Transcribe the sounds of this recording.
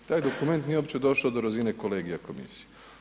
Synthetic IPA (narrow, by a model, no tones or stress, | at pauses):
t̪aːjd̪o̞kume̞nt̪nieopt͡ɕed̪o̞ʃod̪oɾazine̞kole̞ːɡijako̞mḭsi̥je